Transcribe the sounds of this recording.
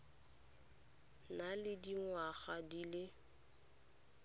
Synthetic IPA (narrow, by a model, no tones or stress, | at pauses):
nalɪdiŋwaɣadilɪ